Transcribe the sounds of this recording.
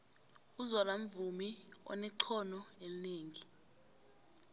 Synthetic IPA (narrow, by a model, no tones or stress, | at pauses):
uzɔlam̩vumiɔ̰nɛǀʰɔnɔelineːŋi